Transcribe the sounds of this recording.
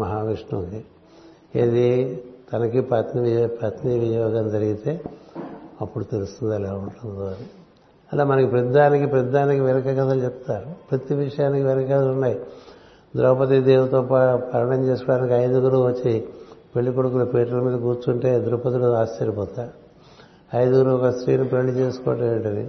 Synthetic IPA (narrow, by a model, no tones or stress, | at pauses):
mɐɦaːʋiʂɳuki | ḛd̪it̪ɐnɐkipɐt̪niʋpɐt̪niʋijɔːɡɐnd͡ʒɐɾiɡit̪e̞ː | ɐpːuɽut̪elust̪und̪ɐlɛːuɳʈund̪uɐni | ɐlaːmɐnɐkipɾɐd̪ːaːnikipɾɐd̪ːaːnikiʋɛnɐkɐkɐt̪ɐlt͡ʃɛpt̪ːaːɾupɾɐt̪iʋiʂɐjaːnikiʋɛnɐkɐɐt̪ɐlunːaːji | d̪ɾɐːpɐt̪̬id̪eːwut̪ɔːpapɐɾɐɳɐmt͡ʃe̞ːsukɔɽaːnikiɐjd̪uɡuɾuʋɐt͡ʃːipeɭːikoɽukulɐpeːʈɐlɐmiːd̪ɐk̬uːɾt͡ʃuɳʈe̞ːd̪uɾɐpɐt̪iluaːst͡ʃɐɾipɔːt̪aːɾ | ɐjd̪uɡuɾuɔkɐsɾḭːnipelit͡ʃe̞ːsu̥kɔ̰ːʈɐeɳʈɐnḭ